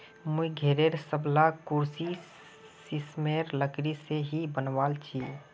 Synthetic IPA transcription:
muɡʱeːɾeɾsəblakuɾsi | sismeɾləkɾiseɦibənʋaːlt͡ʃʰi

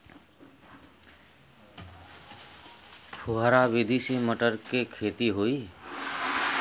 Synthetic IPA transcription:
pʰuɦaɾaʋɪd̪ʱisĩməʈəɾkekʰeːt̪iɦoiː

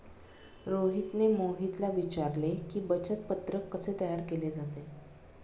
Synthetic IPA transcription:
ɾoɦit̪nemoɦit̪laʋit͡ɕaɾlekiːbət͡ɕət̪̚pət̪ɾəkːəset̪əjaɾkeled͡zat̪e

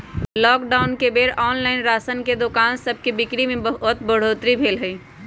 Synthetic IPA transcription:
lɔːkɖaːʊnkebeːɾɔːnlaːɪnɾaːsənked̪okaːnsɐb̚ʱkebɪkɽimẽbət̪bəɽ̤oːt̪ɾibʱeːlɦɐiː

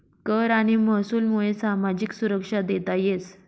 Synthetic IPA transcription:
kəɾaɽ̃iməɦsuːlmuɭesamad͡ʑiksuɾəkʂad̪et̪ajet͡s

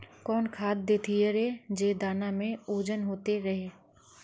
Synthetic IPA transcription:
kɔːnkʰaːd̪̚d̪eːt̪ʰieɾeːd͡ʒeːd̪aːnamẽoːd͡ʒənɦoːt̪eɾɐɦeː

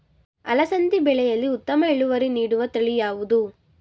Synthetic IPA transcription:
ɐlɐsɐnt̪ibɛɭɛjɐlːiut̪ːɐmɐeɭuʋɐɾiniːɽuʋɐt̪ɐɭijaːʋud̪u

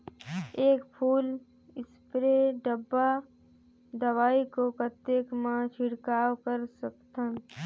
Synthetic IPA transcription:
eːkpʰuːl | ɪspɾeɖəbːa | d̪əwaːikokət̪eːkmãt͡ʃʰɪɽkaːwkəɾsəkt̪ən

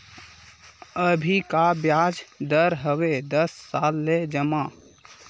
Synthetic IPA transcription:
əbʱikabjaːd͡ʒd̪əɾɦəwed̪əsːaːlːed͡ʒəmaː

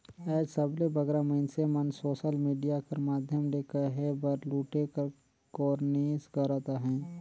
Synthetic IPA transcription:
ɛːd͡ʒsəblebəɡɾaməɪnsemənsoːʃəlmiːɖijakəɾmaːd̪ʱjəmlekəɦebəɾluːʈekɾ | kɔːɾneːsɡəɾat̪aɦɛ̃ː

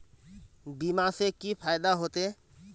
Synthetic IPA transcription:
bimasekipʰajd̪aɦot̪e

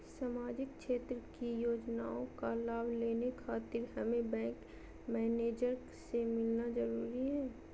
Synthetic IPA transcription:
saːmaːd͡ʒɪk̚kʃeːt̪ɾəkijoːd͡ʒnaːõkalaːbʱleːnekʰaːt̪ɪɾɦɐmebɛ̃ːŋk | mɛːneːd͡ʒəɾ | semɪlnad͡ʒɐɾuːɾiɦɛː

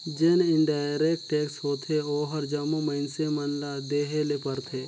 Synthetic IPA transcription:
d͡ʒenɪɳɖaːɾeːk̚ʈʈeːksɦoːt̪ʰeoːɦəɾd͡ʒamuməɪnsemənlad̪eːɦelepəɾt̪ʰeː

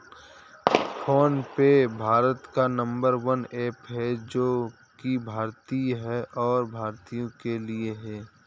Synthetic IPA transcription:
fʰoːnpebʱaːɾət̪kanə̃mbəɾʋəneːpɦɛd͡ʒoː | kibʱaːɾt̪iɦɛʔɔːɾbʱaːɾt̪ijõkelieɦɛː

